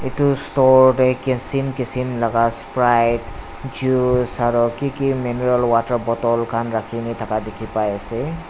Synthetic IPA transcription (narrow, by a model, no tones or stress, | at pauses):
itustɔɹɾekisinkisinlaɡaspɾajʈ | d͡ʒusaɾɔkikimineɾɔlwatəɾbɔt̪ɔlkʰanɾakʰinit̪ʰakadekʰipaese